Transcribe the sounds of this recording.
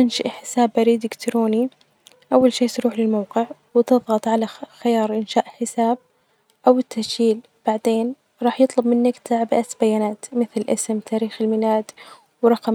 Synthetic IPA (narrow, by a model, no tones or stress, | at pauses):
ɪnʃaʔħɪsaːbːaɾiːd̪ɪkt̪ɾoːni | ʔawːalʃiːt̪ɾuːħlɪlmawqɪʕwɪt̪ɨðˤɣɑt̪ˤʕalaxɪjɑːɾˤʔɪnʃaːʔħɪsaːb̚ | ʔawɪt̪ʰːaʃiːl | b̥aʕd̪eːn | ɾˤɑːħjɨt̪ˤlʊbmɪnːakt̪ʰaʕbɪʔat̪bajaːnaːt̪mɪθlɪʔɪsmt̪ʰaːɾiːxɪlmɪlaːd̪ | wɾˤɑqɑm